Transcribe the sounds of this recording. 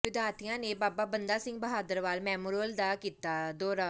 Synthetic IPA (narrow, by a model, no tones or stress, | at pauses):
ʋɪd̪ʱaːɾt̪ʰijãːneːbaːpaːbənd̪aːsɪ̃ŋɡ̚bəɦaːd̪əɾʋaːlmɛːmoɾəld̪aːkiːt̪aːd̪ɔːɾaː